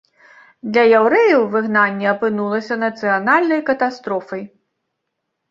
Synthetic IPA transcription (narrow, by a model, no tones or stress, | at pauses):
d̪lʲɐjawɾɛjɐwvɨɣnanʲːɛɐpɨnulˠɐsʲɐnɐt̪sɨjanalʲnɐjkɐt̪ast̪ɾɔfɐj